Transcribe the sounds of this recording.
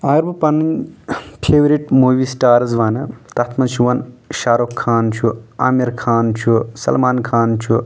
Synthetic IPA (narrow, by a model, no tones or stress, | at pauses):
ɐɡɐɾbɨpɐnːɐnpʰeːʋɾiʈmuːʋiːsʈaːɾɐzʋaːnɨt̪ɐt̪ʰmɐt͡ʃʰuʋɐnʃaːɾokʰːaːnt͡ʃʰua̰ːmiɾkʰaːnt͡ʃʰusɐ̰lmaːnkʰaːnt͡ʃʰu